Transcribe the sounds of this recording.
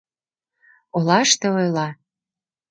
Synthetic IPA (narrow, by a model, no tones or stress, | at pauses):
olɑʃt̪eojlɑ